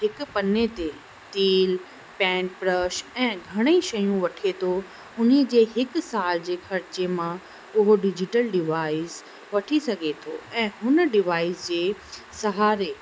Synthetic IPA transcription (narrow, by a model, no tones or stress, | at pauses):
ɦɪkpɐnet̪e | t̪iːl | pɛ̃ːɳʈpɾəʃɛ̃ːɡʱɐɽ̃eiʃɐjũʋɐʈʰet̪ʰo | ʊnid͡ʑeːɦɪksaːld͡ʑeːxʰɐɾɪt͡ɕemã | ʊɦoɖɪd͡ʑɪʈəlɖɪʋaːɪs | ʋɐʈʰisɐɡʱet̪ʰoɛ̃ːɦʊnɖɪʋaːɪsd͡ʑeː | sɐɦaːɾeː